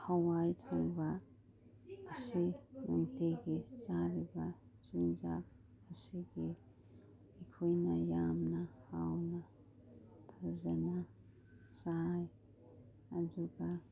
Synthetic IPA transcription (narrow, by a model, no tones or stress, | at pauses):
hawajtʰɔŋba | pʰasinuŋteɡisaɾibat͡ʃind͡ʒa̰k̚ | pʰasiɡi | ikʰujnajamnahawna | pʰaɾzana | saj | ad͡ʒuɡa